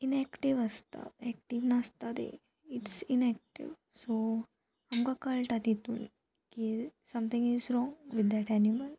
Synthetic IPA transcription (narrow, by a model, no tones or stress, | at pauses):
inɛkʈiʋəst̪a̰ɛk̚ʈiʋnast̪ad̪ḛ | iʈsinɛk̚ʈḭʋ | so | amkakəlʈad̪it̪ṵːn | kisɐ̃mt̪ʰĩŋɡizɾɔ̃ŋʋid̪ːɛʈæniməl